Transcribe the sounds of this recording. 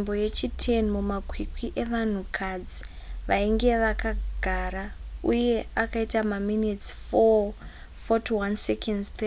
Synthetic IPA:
mboje̞t͡ʃitʰenmumakwikwiʔe̞ʋan̤ukʰad͡zi | ʋaiŋɡe̞ʋakaɡ̥ʱaɾauje̞akaitamaminitsfo | fotuwansekʰendt̪ʰe

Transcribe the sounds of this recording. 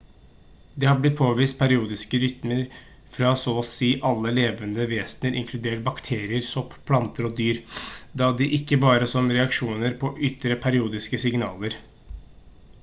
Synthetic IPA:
d̪ɛhɑblɪt̪̚pʰoːʋiːst̪̚pʰæɾɪuːd̪ɪskəɾʏt̪məɾ | fɾɑsɔːsiːʔɑlːəleːʋənd̪əʋeːsnəɾʔɪ̰ŋkʰlʉd̪eːʈ̚bɑkt̪ʰeːɾɪəɾsɔppʰlɑnt̪əɾɔd̪yːɾd̪ɑd̪ɪʔɪkːəbɑːɾəsɔmɾɛɑkʂuːnəɾpʰɔʔʏt̪ɾəpʰæɾɪuːd̪ɪskəsɪŋnɑ̰ːləɾ

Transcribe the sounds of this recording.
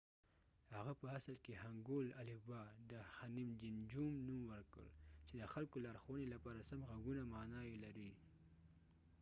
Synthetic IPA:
haɣapəasəlkehaŋɡolalɪbɑd̪əhanimd͡ʒɪnd͡ʒumnumwəɾkə̰ɭt͡ʃed̪əxalkolɑɾxowənelapɑɾasamɣaɡunamɑnɑjelaɾi

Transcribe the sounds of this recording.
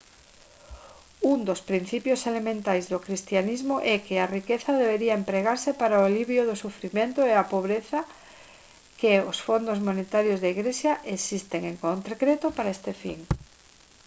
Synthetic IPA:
uŋd̪ospɾin̟θipjoselemẽnt̪ajzðokɾist̪janizmoʔɛkɪarikeθaðeβeɾiaempɾeɣ̞aɾsepaɾaoaliβjoðosufɾimẽnt̪oeapoβ̞ɾeθa | keosfond̪ozmonet̪aɾjozðaiɣɾesjaʔesist̪eŋeŋkont̪ɾkɾet̪opaɾaest̪efḭŋ

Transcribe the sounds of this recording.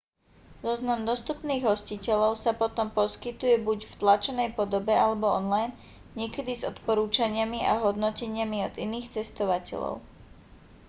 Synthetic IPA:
zɔznamd̪ɔst̪upniːɣɦɔscicɛʎɔʊsapɔt̪ɔmpɔskit̪ujɛbuɟft̪lat͡ʃɔnɛjpɔd̪ɔbɛalɛbɔɔnlajn | ɲɪɛkɛd̪izɔt̪pɔɾuːt͡ʃaɲɪamia̰ɦɔd̪nɔcɛɲɪamiɔd̪iniːxt͡sɛst̪ɔʋacɛ̰ʎɔ̰ʊ

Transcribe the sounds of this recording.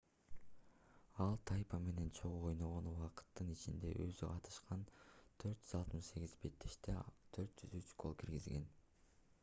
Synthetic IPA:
ɑlˠt̪ʰɑjpɑme̞ne̞nt͡ʃʰo̞ʁuojnoʁo̞nuwɑqɯ̥t̪ːɯnit͡ʃind̪e̞̰ʔøzyqʰɑt̪ʰɯ̥ʃqɑnt̪ʰøɾt̪̚d͡ʒyzɑlˠt̪mɯʃse̞ɡʲizbe̞t̪ːeʃt̪et̪ʰøɾt̪̚d͡ʒyzyt͡ʃɡo̞lˠkʰiɾɡizɡe̞̰n

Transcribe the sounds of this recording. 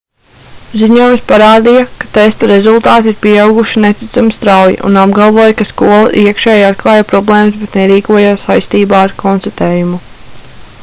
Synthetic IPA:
ziɲuɔjumspaɾaːd̪ijɐkat̪est̪ɔɾezulˠt̪aːt̪iiɾpiɛawɡuʃinet̪i̥t̪samist̪ɾawjḭʔṵnab̚ɡalˠʋoɔːjkaskuɔlˠa̰ʔiəkʃɛːjat̪̚klˠɑːjapɾɔblˠeːmusbɛt̪nɛɾiːkuɔjaːsajst̪iːbaːaɾkʰɔnst̪at̪eːjumu

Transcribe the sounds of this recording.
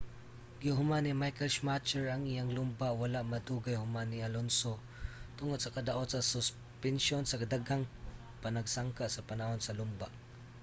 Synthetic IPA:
ɡɪhʊmanimajkɛlʃmat͡ʃɛɹɐŋɪjaŋlʊmbawalaʔmɐd̪uːɡajhʊmanialonso | t̪ʊŋod̪̚sɐkɐd̪aʔot̪sɐsʊs | pɛnʃonsɐkad̪aɡaŋ | panaɡsaŋkaʔsɐpanahonsɐlʊmbaʔ

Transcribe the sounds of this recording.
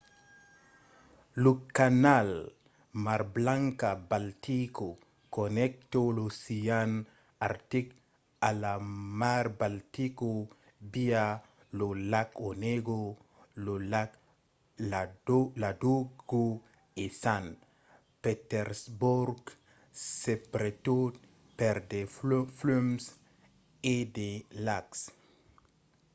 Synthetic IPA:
lukːanal | maɾblaŋkabaltiko | kɔnɛk̚tɔlosijan | aɾtik | alamaɾbaltiko | bia | lolakɔneɡo | lolak | aladoɡo | esan | pet̪eɾsbuɾɡ | sepɾet̪od̪ | peɾd̪eflums | ed̪elaks

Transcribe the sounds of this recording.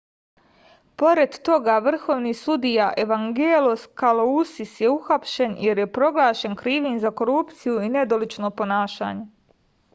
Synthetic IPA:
po̞ɾe̞d̪t̪o̞ɡaʋr̩xo̞ːʋniːsud̪ijaʔe̞ʋaŋɡeːloskalousisje̞uxapʃe̞nje̞ɾje̞pɾo̞ɡlˠaːʃe̞nkɾiːʋinzako̞ɾupt̪sijuine̞d̪olit͡ʃno̞ːpo̞naːʃa̰ːɲe

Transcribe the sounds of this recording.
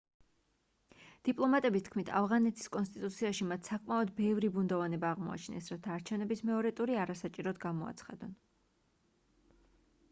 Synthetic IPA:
d̪̥ipʼlˠɔmat̪ʼɛbist̪ʰkʰmit̪ʰa̰vʁanɛt̪ʰi̥skʼɔnst̪ʼit̪ʼut̪sʰiaʃimat̪ʰsakʼmaɔd̪bɛvɾibund̪ɔvanɛbaːʁmɔ̰a̰t͡ʃʰnɛ̰sɾat̪ʰaːɾt͡ʃʰɛvnɛbismɛɔɾɛt̪ʼuɾiaɾasat͡ʃʼiɾɔd̪ɡamɔa̰t̪sʰχa̰d̪̥ɔn

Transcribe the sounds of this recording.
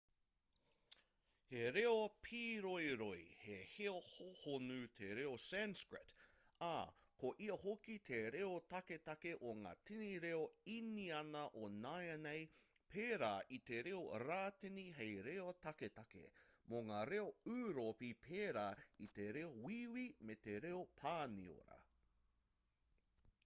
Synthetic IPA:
heɾeopʰiːɾojɾojheheohohonʉt̪ʰeɾeosɛnskɹɪt | a̰koʔiɐhokit̪ʰeɾeotɐket̪ɐkeʔoŋa̰ːtʰeniɾeoiniɐnɐʔonajɐnej | pʰeːɾaːʔit̪eɾeoɾaːteniɦejɾeot̪ɐket̪ɐkḛmoŋaːɾeoʉːɾopipʰeːɾaːit̪eɾeowiwimet̪eɾeopʰaːnḭo̰ɾɐ̰

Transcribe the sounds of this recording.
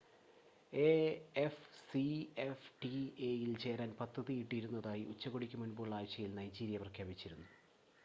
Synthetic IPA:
eefsiefʈiejilt͡ɕe̞ːɾaːnpɐd̪ːɐðijiʈːiɾunːɐðaːjiʔut͡ɕːɐɣoɽikʲːumunboːɭaːjt͡ɕːɐjilnɐjd͡ʑiːɾijɐprɐkʰjaːbit͡ɕːiɾunːu

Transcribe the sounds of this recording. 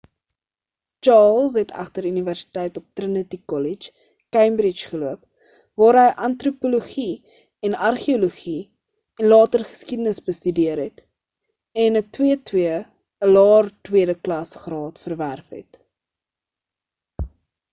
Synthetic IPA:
t͡ʃɑːls̬ɦɛtʰɐ̰χtəɾyniværsi̥tɛjtɔp̚trənətikɔlit͡ʃ | kɛjmbɾit͡ʃχəluəp | vɑːɾɦəjʔɐntrupoloχi | ɛnɐrχioluχi | ɛnlɑːtərχə̥skidənəsbəstydiəɾɦɛt | ɛnətwiətwiə | əlɑːrtwiədəklɐsχrɑːtfərværfɦɛ̰t

